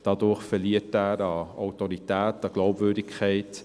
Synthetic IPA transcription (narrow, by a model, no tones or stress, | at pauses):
d̥ɑd̪ʊɾχfɛliətæːɾɑɔʊtɔɾitæːtɑɡ̥lɔʊbvʏːɾdɪkʰχɛɪt